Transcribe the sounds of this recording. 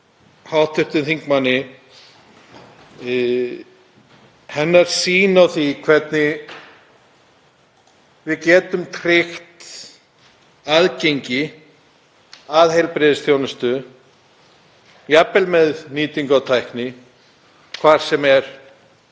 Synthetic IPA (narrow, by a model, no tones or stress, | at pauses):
hawt̪ʰʏht̪ɪnθiŋkmanːɪ | hɛnːaɾ̥siːnawθikʰvɛt̪nɪ | vɪðcɛːt̪ʏmt̪ʰɾɪxt̪ | aðcejɲcɪ | aðhejlpɾɛːðɪsθjoːwnʏst̪ʏ | japːɛlmɛðniːt̪iŋkawt̪ʰajhknɪ | kʰvaːɾ̥sɛmɛɾ̥